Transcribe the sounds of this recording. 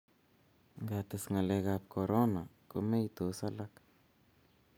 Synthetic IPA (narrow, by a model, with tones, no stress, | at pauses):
ŋɡat̪asŋa˨le˧ɡap̚kʰo˨ɾo˦na˨ko˦me˦jt̪u˨sa˦la˦k